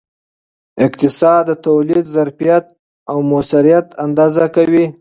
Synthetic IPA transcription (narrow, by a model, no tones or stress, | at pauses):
ɪqt̪ɪsɑd̪ːət̪awlid̪zaɾfijat̪̚ | awmosaɾijat̪and̪ɑzakawi